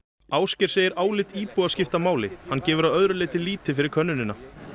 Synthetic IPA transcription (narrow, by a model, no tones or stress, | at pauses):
aːwscɪɾ̥seːjɪɾaːwlɪt̪iːpuːascɪft̪amaːwlɪhanːcɛːvʏɾaðœðɾʏlɪːt̪ɪliːt̪ɪfɪɾɪɾkʰœnːʏnɪnːa